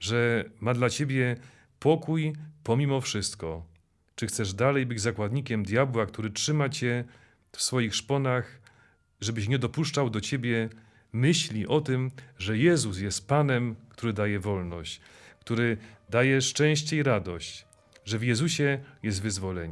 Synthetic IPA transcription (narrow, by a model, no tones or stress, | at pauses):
ʐɛmad̪lat͡ɕebʲjɛ | pɔkujpɔmʲimɔfʂɘst̪kɔ | t͡ʂɘxt̪sɛʐd̪alɛjbɘd͡ʑzakwad̪ɲikʲɛmd̪ʲjabwakt̪uɾɘtʂɘmat͡ɕɛ | fsfɔjixʂpɔnax | ʐɛbɘɕɲɛd̪ɔpuʂt͡ʂawd̪ɔt͡ɕebʲjɛ | mɘɕlʲiʔɔt̪ɘmʐɛjɛzus̬jɛst̪̚panɛmkt̪uɾɘd̪ajɛvɔlnɔɕt͡ɕ | kt̪uɾɘd̪ajɛʂt͡ʂɛ̃w̃ɕt͡ɕɛiɾad̪ɔɕt͡ɕ | ʐɛvjɛzuɕɛjɛst̪vɘzvɔlɛɲɛ